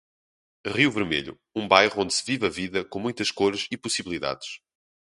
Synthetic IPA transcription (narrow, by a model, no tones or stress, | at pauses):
ʁiwvɨɾmḛʎṵ | ũbajʁuõnd̪sɨvivɐviðɐkõmũj̃t̪ɐʃkoɾʃipusiβlˠiða̰ðɨʃ